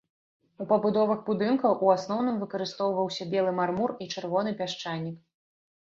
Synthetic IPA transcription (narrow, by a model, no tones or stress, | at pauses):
upɐbud̪ɔvɐxbud̪ɨnkɐwʔuasn̪ɔwnɨmvɨkɐɾɨst̪ɔwvɐwsʲɐbʲɛlˠɨmarmurit͡ʂɨrvɔn̪ɨpʲaʂt͡ʂanʲːik